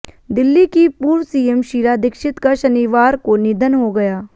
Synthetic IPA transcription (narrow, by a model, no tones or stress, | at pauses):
d̪ɪlːikipuːɾʋsiːemʃiːɾad̪ɪkʃɪt̪kaʃɐniːʋaːɾkonid̪ʱənɦoɡɐjaː